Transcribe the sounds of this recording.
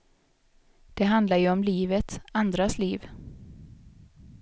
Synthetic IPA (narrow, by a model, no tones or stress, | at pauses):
d̪̥ɛɦand̪laɾjɵɔmliːvət̪and̪ɾasliːv